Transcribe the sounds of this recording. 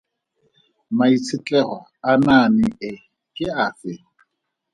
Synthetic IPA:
mait͡sʰɪt͡ɬʼɛχɔananɪɪ | kʼɪaːfɪ

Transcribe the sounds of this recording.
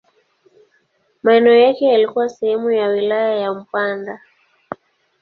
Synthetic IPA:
maɛnɛɔjakɛalikuwasɛhɛmujawilajajam̩panda

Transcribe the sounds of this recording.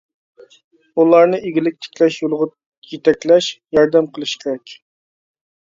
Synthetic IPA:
ulˠɑɾnɨʔeɡʲilɪk̚ʲt̪ʰe̥kʲlɛʃjolˠʁʊt̪ | jet̪ɛkʲlɛʃjɑɾd̪ɛmqʰəlˠɨʃkʲʰɾɛkʲ

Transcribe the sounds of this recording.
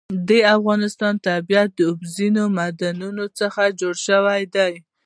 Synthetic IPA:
d̪eafɣɑnɪst̪ɑnt̪abijat̪̚d̪əʊbzinomad̪anunot͡səxad͡ʒoɽʃəwajd̪aj

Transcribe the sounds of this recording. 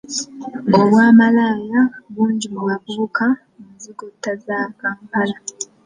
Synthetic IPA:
o̞βwaːmalaːjaβuːɲɟimumaβuːka | ŋaziɡutːazaːkaːmpala

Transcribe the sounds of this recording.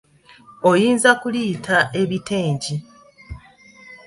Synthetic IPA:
ojiːnzakuliːtʰaʔe̞βiteːɲɟi

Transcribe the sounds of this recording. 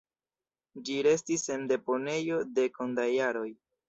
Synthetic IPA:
d͡ʒiɾe̞stise̞nde̞po̞ne̞jo̞de̞ko̞ndajaɾo̞j

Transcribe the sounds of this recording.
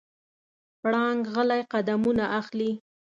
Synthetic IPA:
pɽɑŋɡɣəlajqad̪amunaʔaxli

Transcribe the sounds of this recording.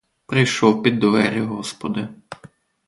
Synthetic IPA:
pɾɪjʃɔwpʲid̪ːʋɛɾʲɪɦɔspɔd̪ɪ

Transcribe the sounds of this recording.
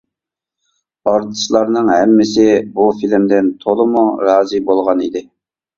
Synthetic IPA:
ɑɾd̪ɨʃlˠɑɾnɨŋhɛmːɪsɪbufilɪmd̪ɪnt̪ʰolˠɨmuɾɑːzɨbolˠʁɑnḭd̪ɪ

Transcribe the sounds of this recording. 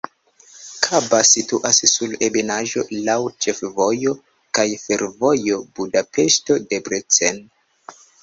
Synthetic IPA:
kʰabasituʔasːulebenaʒo̞̰lawt͡ʃe̞fvo̞jo̞ | kajfe̞ɾvo̞jo̞budape̞ʃto̞de̞bɾet͡sen

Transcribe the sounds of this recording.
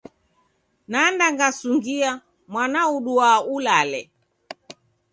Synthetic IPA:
nandaŋɡasuŋɡia | mwanauɗuaulalɛ

